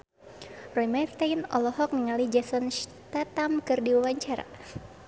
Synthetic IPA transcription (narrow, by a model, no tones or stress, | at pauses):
rɔimart̪ajnɔ̰lɔɦɔk̚niŋalid͡ʒasɔnst̪at̪amkɨrdiwawaɲt͡ʃaɾa̰